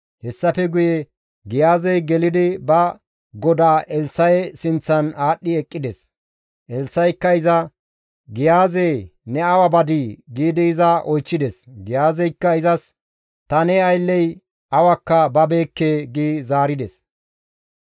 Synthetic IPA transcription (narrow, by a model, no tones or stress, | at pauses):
hɛsːɐpɛɡʊjɛ | ɡɪjaːzɛjɡɛlɪd̪ɪbɐ | ɡɔd̪aːʔɛlsɐjɛsɪnt͡sːɐnaːɗːɪɛkʼːɪd̪ɛs | ʔɛlsɐjkːɐɪzɐ | ɡɪjaːzɛjnɛɐwɐbɐd̪iːɡiːd̪ɪːzɐʔɔjt͡ʃːɪd̪ɛsɡɪjaːzɛjkːɐɪzɐs | t̪ɐnɛɐjlːɛj | ɐwɐkːɐbɐbeːkːeːɡiːzaːɾɪd̪ɛs